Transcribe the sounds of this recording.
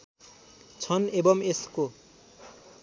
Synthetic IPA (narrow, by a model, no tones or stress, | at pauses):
t͡sʰʌnebʌmesko